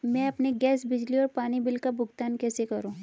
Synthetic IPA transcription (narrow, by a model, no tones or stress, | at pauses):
mɛ̃ɐpneɡɛːsbɪd͡ʒliɔːɾpaːnibɪlkabʱʊɡt̪aːnkɛːsekɐɾõː